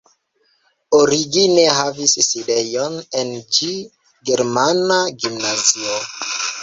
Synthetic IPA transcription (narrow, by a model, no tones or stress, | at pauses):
oɾiɡine̞ɦavisside̞jo̞ne̞nt͡ʃi | ɡe̞ɾmanaɡimnazio